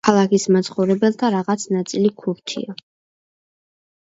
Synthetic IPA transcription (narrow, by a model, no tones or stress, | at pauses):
kʰalˠakʰismat̪sʰχɔwɾɛbɛlˠt̪ʰaɾaʁat̪sʰnat̪sʼilikʰuɾt̪ʰḭɔ